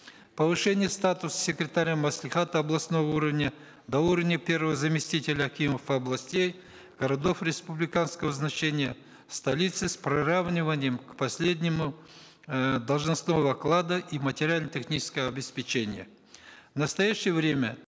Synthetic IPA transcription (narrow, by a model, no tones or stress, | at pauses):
pəvɨʂɛnʲɪjəst̪at̪ʊsə̥sʲɪkɾʲɪt̪aɾʲamɐslʲɪχat̪əɐblˠɐsnovəuɾəvnʲə | d̪ɐuɾəvnʲəpʲe̞rvəvəzɐmʲɪsʲtʲitʲɪlʲəɐkʲiməfəɐblˠɐsʲtʲej | ɡ̥əɾɐd̪o̞fɾʲɪspublʲɪkanskəvəznɐt͡ɕenʲɪjə | st̪ɐlʲit̪sɨspɾɪravnʲɪvənʲɪjəmkpɐsʲlʲedʲnʲɪmʊ | d̪ɐlˠʐnɐsno̞vəɐklˠad̪əʔimətʲɪɾʲɪalʲnətʲɪxnʲit͡ʃɪskəjəɐbʲɪspʲɪt͡ɕenʲɪjə | vnəst̪ɐjaɕːɪjəvɾʲe̞mʲə